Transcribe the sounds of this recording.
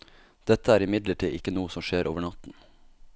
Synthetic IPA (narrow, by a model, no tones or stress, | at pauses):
d̪̥ɛt̪əæːɾɪmɪd̪ləʈʰiːʔɪkənuːəsɔmʃeːɾʔo̰ːʋəɳɑt̪n̩